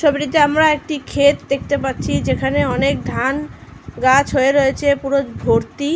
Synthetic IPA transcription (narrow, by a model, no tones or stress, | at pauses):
ʃobʈit̪ːeamɾaek̚ʈikʰet̪d̪ek̚t̪epaɾːɕʰid͡ʑekʰaneɔnek̚d̪ʱanɡat͡ɕɦoeɾoet͡ɕʰepuɾod͡ʑbʱoɾt̪i